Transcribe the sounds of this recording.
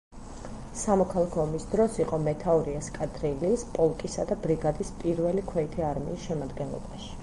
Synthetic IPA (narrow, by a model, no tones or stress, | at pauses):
samɔkʰalˠakʰɔɔmisd̪ɾɔsiqʼɔmɛt̪ʰaɔɾiaskʼad̪ɾiliːspʼɔlˠkʼisad̪abɾiɡad̪ispʼiɾvɛlikʰwɛit̪ʰiaɾmḭːsʃɛmad̪ɡɛnlˠɔ̰baʃi̥